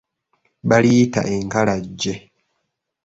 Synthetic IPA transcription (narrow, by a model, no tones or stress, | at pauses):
βalijːta̰ʔeŋkalaɟːe